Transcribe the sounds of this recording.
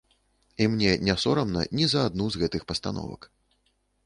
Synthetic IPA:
imnʲɛnʲɛsɔɾɐmnɐ̰nʲizɐad̪nuzɣɛt̪ɨxpɐst̪anɔ̰vɐ̰k

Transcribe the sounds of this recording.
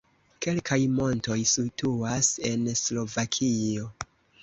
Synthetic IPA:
ke̞lkʰajmo̞nto̞jsituase̞nslo̞vakʰio̞

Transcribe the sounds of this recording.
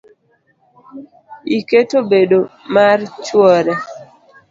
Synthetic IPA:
iketobedomart͡ʃwɔɾɛ

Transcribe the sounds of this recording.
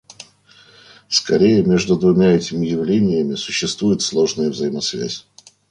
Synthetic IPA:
skɐɾʲejəmʲe̞ʐd̪ʊd̪vʊmʲaɛtʲɪmʲɪjɪvlʲenʲɪjəmʲɪsʊɕːɪst̪vujɪt̪slˠo̞ʐnəjəvzəjɪmɐsvʲæ̰sʲ

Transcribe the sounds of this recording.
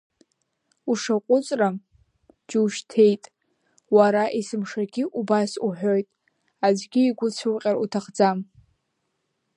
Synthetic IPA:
uʂaqʷʼʊt͡sʼra | d͡ʒuʃtʰe̞jtʼ | waɾaʔisɨmʂaɡʲiʔubasuħʷᶣojtʼ | ad͡ʒɡʲiːɡʷʊt͡sʷʰɨwqʲʼaɾutʰaχd͡zam

